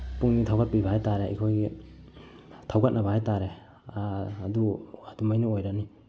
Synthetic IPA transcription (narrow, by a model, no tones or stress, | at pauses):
puŋnitʰawkat̚pibahajtaɾeikʰoj | tʰawkat̚nʔɐbahajtaɾe | duad̥umajnuojɾakni